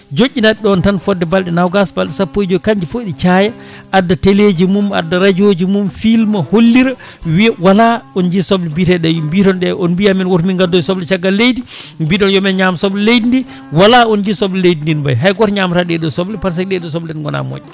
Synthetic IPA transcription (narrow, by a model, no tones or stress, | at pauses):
d͡ʒoʔʲːinaɗiɗɔntanfɔdːɛbalɗɛnawɡasbalɗɛsapːojd͡ʒokaɲd͡ʒifoɗit͡ʃajaʔadːateled͡ʒimuma̰dːaɾad͡ʒod͡ʒimumfilmaholːiɾa | wiwalaɔnd͡ʒisɔblɛbitɛɗɛjumbitɔnɗɛɔnbiaminwotminŋɡadːɔjsɔblɛt͡ʃaɡːalːejdibiɗɔnjɔmɛɲamsɔblɛlejdindi | walaɔnd͡ʒisɔblɛlejdindinba̰jɦajɡɔɾɲamtaɗɛɗɔsɔblɛpaɾs̬ɛkɗɛɗɔs̬ɔblɛnɡɔna̰mo̰ɲɛ